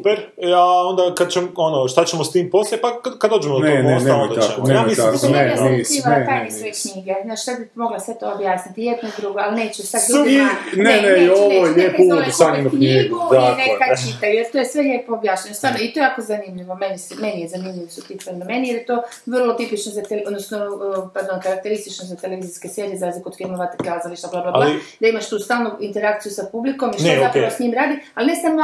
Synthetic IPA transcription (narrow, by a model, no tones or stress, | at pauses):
supeɾaond̪akad̪̚t͡ɕemonoʃt̪at͡ɕemost̪iːmpo̞sljepakkad̪oːd͡ʒemod̪onoeneod̪aemeamisineisiʋat̪ajisojekɲiːɡealznaːʃt̪abimo̞ɡlasʋet̪oobjaːsnit̪ijed̪noid̪ɾuɡoaline̞ːt͡ɕɛsad̪ɾuuneneioʋojelʲjeːpuosad̪enukɲiɡuoaenekat͡ʃit̪ajujeɾt̪ojesʋelʲepoobjaːʃɲaɲost̪ʋaːɾnoit̪oejaːkozanimʎiʋo̞meniseme̞nijezanimʎiʋosot̪it̪namenijeɾjet̪o̞ːʋərlˠot̪ipit͡ʃnozat̪elod̪nosnopaɾd̪onkaɾak̚t̪e̞ɾist̪it͡ʃnozat̪eleʋiziskesjelezazlikofimoʋat̪eklazaʋiʃablˠablablald̪aimaʃt̪uːst̪aːlˠnuint̪eɾakt̪sijusapubliko̞miʃt̪eapkeosɲimɾaːd̪ialne̞samo